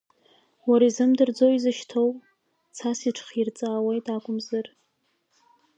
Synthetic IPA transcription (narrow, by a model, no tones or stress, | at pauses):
waɾaizɨmdɨrd͡zoizɨʃtʰowpʼ | t͡sʰasiʈ͡ʂʰχirt͡sʼaːwejtʼakʷʼʊmzɨr